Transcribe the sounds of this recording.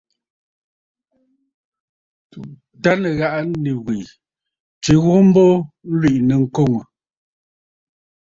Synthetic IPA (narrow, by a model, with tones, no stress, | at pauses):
ta˦nɛ˨ɣa˦ʔa˦ni˨ɣwe˨ | t͡ʃi˨˦ɣɔ˦m̩˦bɔ˦n̩˦lwi˨ʔnɛ˨ŋ̩˦ko˦˨ŋo˨